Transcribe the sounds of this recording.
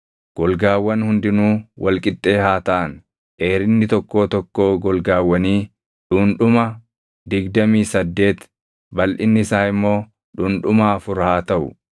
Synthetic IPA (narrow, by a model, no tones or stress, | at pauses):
ɡ̥ɔlɡaːwːɐnhʊnd̪ɪnuːwʔɐlkʼɪt̪ʼːe̞ːhaːt̪ɐʔɐn | ʔeːɾɪnːɪt̪ɔkːo̞ːt̪ɔkːo̞ːɡɔlɡaːwːɐniː | ᶑʊnᶑʊmɐ | d̪ɪɡd̪ɐmiːsɐd̪ːe̞ːt̪ | bɐlʔɪnːɪɪsaːɪmːo̞ː | ᶑʊnᶑʊmaːfʊɾhaːt̪ɐʔʊ̰